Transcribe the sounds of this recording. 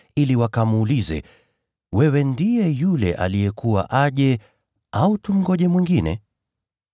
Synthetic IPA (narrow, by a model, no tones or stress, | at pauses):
iliwakamːlizɛ̰ | wɛwɛndijɛjulɛ̰ʔa̰lijɛkuwa̰ʔaʄɛ | autum̩ɡɔʄɛmwiŋɡinɛ̰